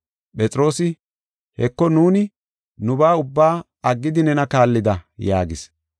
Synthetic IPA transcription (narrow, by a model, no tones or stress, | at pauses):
pʼɛt͡sʼɾo̞ːsɪ | hɛkːɔnuːnɪ | nʊbaːʊbːaː | ɐɡːɪd̪ɪnɛnɐkaːlːɪd̪ɐjaːɡɪs